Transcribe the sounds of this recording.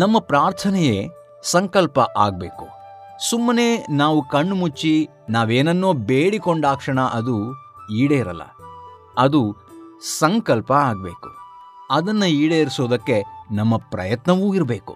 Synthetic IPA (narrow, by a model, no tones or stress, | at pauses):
nɐmːɐpɾaːɾt̪ʰɐnɛjeː | sɐŋkɐlpɐʔa̰ːɡ̚be̞̰ːku̥ | sumːɐneːnaːʋukɐɳːmut͡ʃːi | naːʋeːnɐnːoːbeːɽikoɳɖaːkʂɐɳɐʔɐd̪uiːɽejiɾɐ̰lːɐ̰ | ɐd̪usɐŋkɐlpɐaːɡ̚be̞ːku̥ | ɐd̪ɐnːɐiːɽejɐɾisoːd̪ɐkːe̞nɐmːɐpɾɐ̰jɐt̪nɐʋuːiɾɐbe̞ːkṵ